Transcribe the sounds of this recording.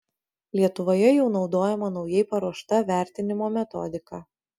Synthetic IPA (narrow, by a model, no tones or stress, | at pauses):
lʲiɛt̪ʊʋoːjɛjɛʊnɒʊd̪oːjɛmɐnɒʊjɛɪpɐɾuɔʃt̪ɐʋʲæˑɾʲt̪ʲɪnʲɪmoːmʲɛt̪ɔ̰d̪ʲɪkɑː